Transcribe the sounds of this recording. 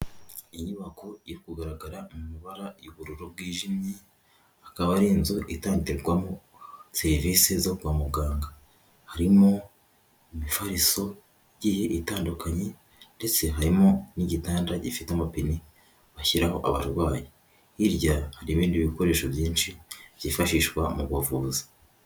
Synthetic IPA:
iɲuβakoiɾikuɡaɾaɡaɾamumuβaɾajuβuɾuɾo̞b̚wiːʒimɲi | akaβaɾiːnzoʔitaːɲteɡwamo | seɾiviːsezoɡwaːmuɡaːŋɡa | haɾimo̞ | umifaɾiso̞ | iɟihe̞ʔitaːndukaɲe̞ | nde̞t͡se̞ɦaɾimo̞niɟitaːndaɟifiteamapini | βaçiɾaho̞ʔa̰βa̰ɾɡwaːje | iɾɟahaɾiβiːndiβiko̞ɾe̞ːʃoβjiːnʃiβ̥jifaʃiːʃɡwamuɡwavuːzḁ

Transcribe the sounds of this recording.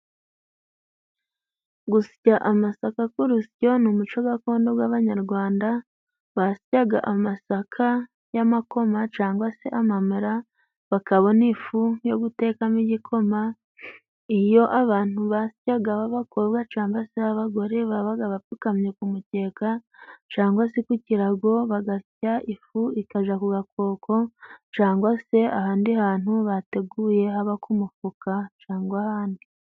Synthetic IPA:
ɡusi̥caʔamasakakuɾusco̞numut͡ʃo̞ɡako̞ːndo̞bwaːβaɲaɾɡwaːnda | βasi̥caɡa̰ʔamasakʰa | jamako̞mat͡ʃaːŋɡwase̞ʔamamuɾa | βakaβo̞nifujo̞ɡute̞ːkamiɟikʰo̞ma | ijo̞ʔaβaːn̥huβasi̥caɡaβaβakʰoβɡat͡ʃaːŋbaseaβaɡo̞ɾe̞βaβaɡaβapukamɲekumute̞ːkat͡ʃaːŋɡwasikuciɾaɡo̞βaɡacaʔifuikaʒakuɡako̞ːkʰo̞t͡ʃaːŋɡwase̞a̰haːndihaːnhuβate̞ɡuje̞haβakumufukat͡ʃaːŋɡwahaːndi

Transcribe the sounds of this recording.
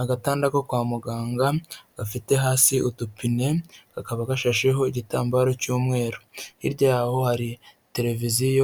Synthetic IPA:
aɡataːndakokwaːmuɡaːŋɡaɡ̥afite̞ɦaːsiʔutupine̞ɡ̥akaβaɡaʃaʃeɦo̞iɟitaːmbaɾo̞cuːmŋe̞ːɾohiɾɟaːho̞haɾite̞ɾe̞vizijo

